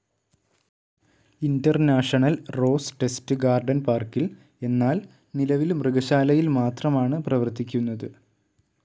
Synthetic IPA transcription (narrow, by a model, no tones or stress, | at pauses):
indɐrnaːʂɐɳɐlro̞ːsʈe̞stɨɡaːrɖɐnpaːrkil | e̞nːaːl | nilɐʋilumrɨɡɐɕaːlɐjilmaːt̪rɐmaːɳɨprɐʋɐrt̪ːikʲːunːɐðɨ